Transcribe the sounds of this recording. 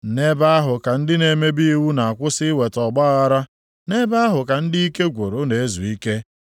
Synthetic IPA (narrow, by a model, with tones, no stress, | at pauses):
ne˦ba˦a˦ɦʊ˨ka˨n̩˦dɪ˦ne˨me˦bi˦i˦wu˦na˨a˨kʷʊ˦sɪ˦we˨tɔ˨ɡ͡ba˦ɣa˦ɾa˦ | ne˦ba˦a˦ɦʊ˨ka˨n̩˦dɪ˦i˦ke˦ɡʷo˨ɾo˨ne˨e˦zṵ˨i˦ke˦